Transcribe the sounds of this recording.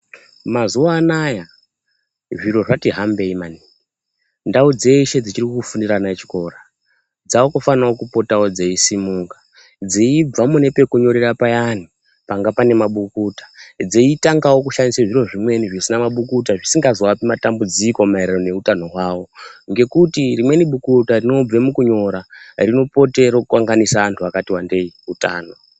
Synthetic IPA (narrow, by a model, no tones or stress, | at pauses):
mazuwaːnaja | ʐiɾo̞ʐatiɦambe̞imani | ndaud͡ze̞iʃe̞d͡zit͡ʃirikkufundiɾanat͡ʃi̥ko̞ɾa | d͡zaokofanawokupo̞tawo̞d͡zeisimuːkḁ | d͡zeib͡vamune̞pe̞kuɲo̞ɾerapajani | paŋɡapane̞maɓukuːtḁd͡zeitaŋɡawo̞k̬uʃaniseʐiro̞ʐimwe̞niʐisinamaɓukutaʐisiŋɡazoapimatambud͡ziko̞maeɾerone̞utano̞waːwo̞ŋɡe̞kutirimwe̞niɓukutarino̞b͡vemukuɲo̞ɾarino̞po̞te̞ɾokuwaŋɡanisaʋantʰuakatiwande̞iuta̰ːno